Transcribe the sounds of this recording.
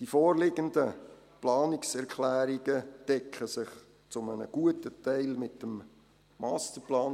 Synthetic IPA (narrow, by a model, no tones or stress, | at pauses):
d̥ifɔːɾlɪɡəndə | plɑːnɪksɛɾkʰlæːɾiɡ̥əd̥ɛkχəsɪχ | t͡sʊmənə̰ɡ̥uətətɛɪlmɪtəm | mɑːst̪əɾplɑːn